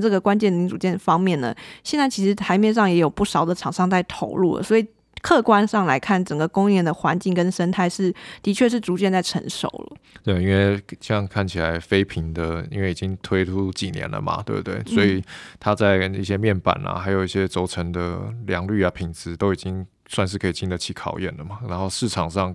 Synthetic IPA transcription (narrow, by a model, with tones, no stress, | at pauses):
ʈ͡ʂɤ˥˩ɡə˩kwa˥nt͡ɕjɛ˥˩nli˧˥ŋʈ͡ʂu˨˩t͡ɕjɛ˥˩nfɑ˥ŋmjɛ˥˩nːə̰˩ɕjɛ˥˧nt͡sa˥˩ɪt͡ɕʰi˧˥ʂɻ̩˧˥t̪ʰa˧˥ɪmjɛ˥˧nʂ̬ɑ˥˩ŋjɛ˧˥jo˨˩ʊpu˥˩ʂɑ˨˩ʊd̪ə˨ʈ͡ʂʰɑ˨˩ŋʂɑ˥˧ŋt͡sa˥˩ɪt̪ʰo˧˥ʊlṵ˥˩lə̰˩swɔ˧˥i˨˩ | kʰɤ˥˧kwa˥nʂɑ˥˩ŋla˧˥ɪkʰa˥˩nʈ͡ʂə˨˩ŋɡə˩kʊ˥ŋɛ˥˩nd̪ə˩xwa˧˦nt͡ɕi˥˩ŋkə˦nʂə˥nt̪ʰa˥˧ɪʂɻ̩˥˩t̪i˧˥t͡ɕʰɥɛ˥˧ʂ̬ɻ̩˥˩ʈ͡ʂu˧˥t͡ɕjɛ˥˧nt͡sa˥˩ɪʈ͡ʂʰə̰˧˥ŋʂo̰˨˩ʊlə̰˦t̪we˥˩ɪi˥nwe˥˩ɪɕɑ˥˧ŋkʰa˥˩nt͡ɕʰi˨˩a˧˦ɪfe˥ɪpʰi˧˥ŋd̪ə˨˧ḭ˥nwe˥˩ɪi˨˩t͡ɕi˦ŋt̪ʰwe˥ɪtʰu˥t͡ɕi˨˩njɛ̰˧˦nlə̰˧˩ma̰˨t̪wḛ˥˧t̪we˥˩ɪswɔ˧˥i˨˩t̪ʰa˦t͡sa˥˧ɪni˥˩ɕjɛ˦mjɛ˥˨˩npa̰˨˩na̰˨xa˧˥ɪjo˨˩ʊi˥˩ɕjɛ˥t͡so˧˥ʊʈ͡ʂʰə˧˥ŋd̪ə̰˧ljɑ˧˦ŋly˥˩a˨pʰi˨˩ŋt͡sɹ̩˧˦t̪o˥ʊi˨˩t͡ɕi˦ŋ | swa˥˧nʂ̬ɻ̩˥˩kʰɤ˧˥i˨˩t͡ɕi˥˩nd̪ə˨t͡ɕʰi˧˥kʰɑ˨˩ʊjɛ̰˥˩nlə˩ma˩na˧˦nxo˥˧ʊʂɻ̩˥˩ʈ͡ʂʰɑ˨˩ŋʂɑ˥˩ŋ